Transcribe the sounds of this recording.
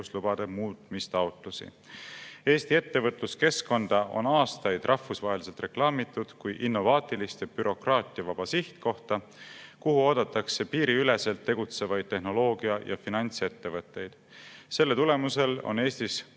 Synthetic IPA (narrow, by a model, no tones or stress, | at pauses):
uslub̥ɑd̪̥emuːt̪mist̪ɑwt̪ˑlusḭ | e̞ːst̪ie̞t̪ːe̞vɤt̪ˑluske̞sko̞nd̪̥ɑʔo̞̰nɑːst̪ɑjd̪̥rʔɑhːusvɑɦe̞lis̬elt̪re̞klɑːmit̪ːˑud̪̥kujʔinːo̞vɑːt̪ːˑilist̪eb̥yɾo̞krɑːt̪ˑiɑvɑb̥ɑsiht̪ko̞ht̪ɑ | kuhuo̞ːd̪̥ɑt̪ːˑɑkse̞piːɾiyle̞se̞lt̪ːe̞ɡ̥ut̪se̞vɑjd̪̥̚t̪ːe̞hno̞lo̞ːɡ̥iɑjɑ̰finɑnʲt̪se̞t̪ːe̞vɤt̪ˑːe̞jd̪̥ | se̞lːet̪ule̞muse̞lo̰ne̞ːst̪is